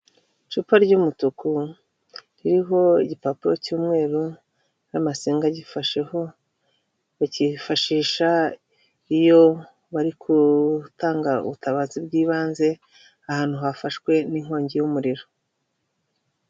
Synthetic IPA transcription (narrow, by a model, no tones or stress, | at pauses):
t͡ʃupaɾɟumutuku | ɾiɾiɦo̞iɟipapijocuːmŋe̞ːɾu | amasiːŋɡaɟifaʃeho | βacifaʃiːʃa | ijo̞ | βaɾikʰutaːŋɡaṵβutaβaːzibɡiːβaːnze̞ | ahaːn̥huɦafaʃkwe̞niŋ̥o̞ːɲɟejumuɾiɾo